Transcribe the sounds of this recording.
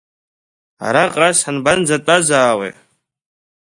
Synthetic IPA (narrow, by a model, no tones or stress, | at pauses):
a̰ɾaqʼrasanband͡zatʼazaːwḛ